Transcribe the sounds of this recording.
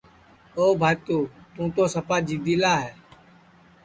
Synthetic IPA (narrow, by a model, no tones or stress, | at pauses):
oːbʱaːt̪oːt̪ũːt̪oːsəpaːd͡ʒiːd̪iːlaːɦɛː